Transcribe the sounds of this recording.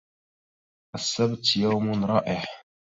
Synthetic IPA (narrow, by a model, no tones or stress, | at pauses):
ʔəsːæbt̪jæwmʊnɾˤɑːʔɪħ